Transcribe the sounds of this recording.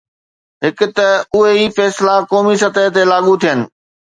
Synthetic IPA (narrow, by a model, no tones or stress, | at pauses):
ɦɪkʊt̪ɐʊɦeifɛːslakɔːmisɐt̪əɦt̪elaːɠut̪ʰijənɪ̆